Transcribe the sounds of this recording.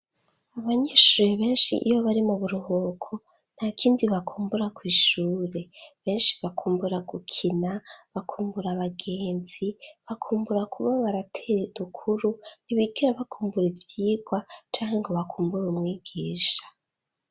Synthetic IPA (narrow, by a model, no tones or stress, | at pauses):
aβaɲeʃuːɾeβe̞ːnʃḭʔijoβaɾimuβuɾuɦokʰo | n̥hakʰiːndiβakʰuːmbuɾakwiːʃuːɾe̞βe̞ːnʃi̥βakuːmbuɾaɡukʰinaβakʰuːmbuɾaβaɡeːnziβakʰuːmbuɾakʰuβaβaɾatʰeɾedukʰuɾuniβiɡiɾaβakʰuːmbuɾivjiːɡwat͡ʃaːŋhe̞ŋɡo̞βakuːmbuɾumŋiːɡiːʃḁ